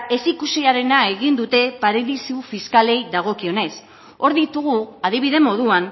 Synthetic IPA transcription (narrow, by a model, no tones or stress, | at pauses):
e̞sikusiaɾe̞nae̞ɣind̪ut̪e̞paɾeðisiufiskale̞jðaɣ̞o̞kio̞ne̞s | o̞ɾðit̪uɣ̞uaðiβ̞iðe̞mo̞ð̞uan